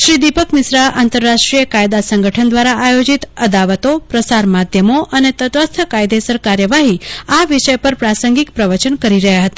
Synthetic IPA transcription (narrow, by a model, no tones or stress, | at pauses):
ʃɾid̪ipəkmɪsɾaʔant̪əɾːaʃʈɾijəkajd̪asəŋɡəʈʰənd̪ʋaɾaːjod͡ʒit̪əd̪aʋət̪opɾəsaɾmad̪ʱjəmoʔənet̪ət̪ʋəst̪ʰəkajd̪esəɾkaɾjəʋaɦiaʋiʃəjpəɾpɾasəŋɡikpɾəʋət͡ʃənkəɾiɾəɦjaɦət̪a